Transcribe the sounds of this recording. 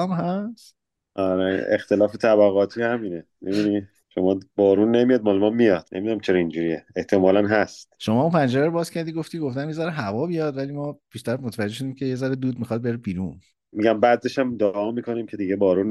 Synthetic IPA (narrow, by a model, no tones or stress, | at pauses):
mɦæst̪ | ʔɒɾḛext̪e̞lɒːfet̪ʰæβæɣɒːt̪ʰihæminemḛbd̪ini | ʃomɒːbɒːɾuːnːemijɒːd̪̚mɒlemɒmmːijɒd̪̥nemid̪unæmt͡ʃʰeɾɒind͡ʒuːɾieeht̪ʰe̞mɒːlænɦæst̪ʃo̞mɒːumpʰænd͡ʒeɾæɾobɒːzcʰæɾd̪iɡoft̪iɡoft̪ænjezæɾeɦævɒːbijɒd̪væliːmɒːpiːʃt̪æɾmot̪ʰevæd͡ʒːeʃ̬od̪iːmcʰe̞jezæɾed̪uːd̪̚mixɒd̪̚beɾebiːɾun | miɟæmbæd̪eʃæmd̪ɒʔːmiːkʰo̞niːmcʰe̞d̪iɟebɒːɾun